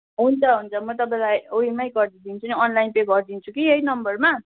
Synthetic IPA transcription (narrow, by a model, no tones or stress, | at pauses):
ɦunt͡sʰʌɦunt͡sʰʌmʌt̪̬ʌpãj̃lajoimajɡʌrd̪id̪int͡sʰuniʌnlainpeɡʌrd̪int͡sʰukiejnʌmbʌrma